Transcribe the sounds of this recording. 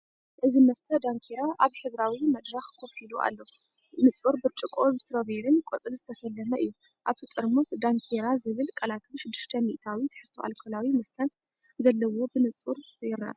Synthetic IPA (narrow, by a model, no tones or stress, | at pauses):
ʔɨzimɐst̪ʰɐd̪aŋkʰeɾaʔaβħɨβɾawimɐd̪ɾɐxkʰoβħid̪uʔa̰lːo | nɨt͡sʼuɾbɨɾt͡ʃʼɨkʼoβt̪ɾoβeɾɨnkʷʼot͡sʼɨlzɨt̪ʰɐsɐlːɐmɐʔɨ̰jːu | ʔaβt̪ʰit̪ʼɨɾmusd̪aŋkʰeɾazɨβɨlkʼɐlat̪ʰʃɪd̪ːɨ̥ʃt̪ʰɐmḭʔt̪ʰawit̪ʰɨ̥ħɨst̪ʰoʔa̰lkʰolawimɐst̪ʰɐn | zɐlːɐwo̞bɨnɨt͡sʼuɾbjɾna̰